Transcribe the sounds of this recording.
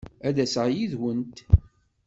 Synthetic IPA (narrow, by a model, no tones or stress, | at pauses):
æðæsʁjiðwənt̪